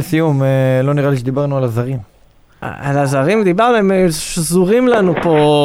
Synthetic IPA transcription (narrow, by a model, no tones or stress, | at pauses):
sijumelo̞niʁaliʃ̬ed̪ibaʁnualazaʁim̰ | a̰lazaʁimd̪ibaʁnuemeʃzuʁimlanupo̞